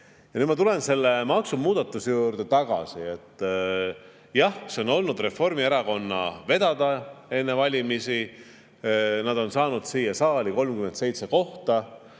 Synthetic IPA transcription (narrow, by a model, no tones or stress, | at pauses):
jɑnyd̪mɑt̪ule̞nse̞lːe̞mɑksumuːd̪̥ɑt̪ːˑusejuːrd̪̥e̞t̪ɑɡ̥ɑ̰sie̞t̪ːˑ | jɑhseo̞no̞lnud̪̥re̞fo̞rmieɾɑko̞nːɑve̞d̪̥ɑd̪̥ɑe̞nːe̞vɑlʲimisi | nɑd̪̥o̞nsɑːnud̪̥siːjɑsɑːliko̞lmkyment̪se̞jt̪se̞ko̞ht̪ɑ